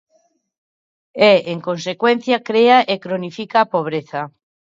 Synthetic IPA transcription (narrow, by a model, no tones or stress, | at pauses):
eeŋkonsekwẽnθjakɾeaʔekɾonifikaːpoβ̞ɾeθa